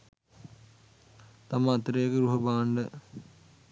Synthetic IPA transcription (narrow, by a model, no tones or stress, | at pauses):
t̪aməːt̪ɾejːkəɾuɦɐbaːɳɖə